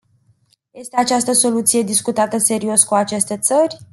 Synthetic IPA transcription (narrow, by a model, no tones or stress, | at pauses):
je̞st̪eat͡ʃast̪əso̞lut̪sije̞d̪iskut̪at̪əse̞ɾio̞skuat͡ʃe̞st̪e̞t̪sərʲ